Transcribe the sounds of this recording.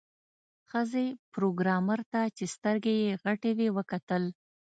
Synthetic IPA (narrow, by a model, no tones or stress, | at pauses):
xəzepɾoɡɾɑməɾt̪at͡ʃest̪əɾɡejeɣaʈewewəkat̪əl